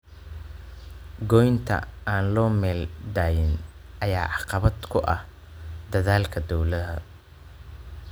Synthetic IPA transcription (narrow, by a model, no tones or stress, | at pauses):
ɡɔjnt̪ʰɐ̰aːnlɔːmɛːld̪aːjɪnʔɐjaːʕɑqɑβɐd̪kʰʊʔɐh | d̪ɐðaːlkʰɐd̪ɔwlɐɦɐ̰